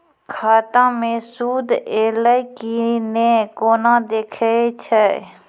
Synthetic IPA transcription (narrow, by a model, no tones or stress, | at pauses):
kʰaːt̪ãːmẽːsuːd̪eːləjkinẽːkoːnãːd̪eːkʰəet͡ʃʰə